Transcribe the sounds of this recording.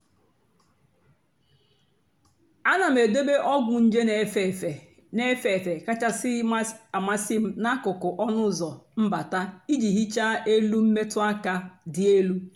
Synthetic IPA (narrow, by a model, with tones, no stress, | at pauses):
a˦na˨m̩˨e˨do˦be˦ʔɔ˦ɡʷʊ˨n̩˦d͡ʒe˦n˨ | ne˦fe˨fe˨ka˦t͡ʃa˦sɪ˦a˨ma˦sɪ˦m̩˦na˦kʊ˨kʊ˨ʔɔ˦nʊ˦zɔ˨m̩˦ba˨ta˦i˦d͡ʒi˨ɦi˦t͡ʃa˦ʔe˦lu˦m̩˦me˦tʊ˦a˦ka˦dɪ˨e˦lu˦